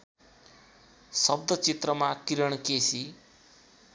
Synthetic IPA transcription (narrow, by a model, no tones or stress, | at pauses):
sʌb̚d̪ʌt͡sit̪rʌmakiɾʌɳ̃kesi